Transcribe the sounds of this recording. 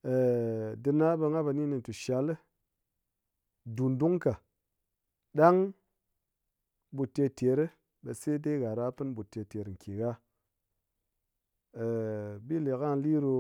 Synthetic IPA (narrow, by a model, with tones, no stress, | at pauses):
e˨dɨ˧na˦be˧ŋa˦be˧ni˦ni˧˨tu˨ʃa˨˦lɨ˦ | du˨ndu˦ŋka˨ | ɗa˦ŋ | bu˨tːe˧te˨˦ɾɨ˦ | ɓe˧se˦de˦ɣa˨ɾa˦pɨ˦nbu˨tːe˧te˨ɾŋ̩˨kʰe˨ɣa˦˨ | bi˦le˨ka˦n˦li˦ɾo˧